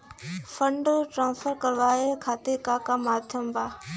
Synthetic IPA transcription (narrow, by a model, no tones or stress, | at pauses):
fəɳɖʈɾãːnfəɾkɐɾʋaːekʰaːt̪ekaːkaːmaːd̪ʱʰjəmbaː